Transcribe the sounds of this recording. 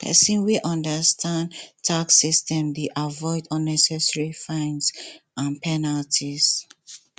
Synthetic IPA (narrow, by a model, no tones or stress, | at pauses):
pɛ̰sĩnwiʔɔ̃ndəstʰãndtʰaksistɛ̃mdeʔavɔɪdɔ̃nɛsɛsɹifãɪ̃nsãnpʰɛnaltʰiz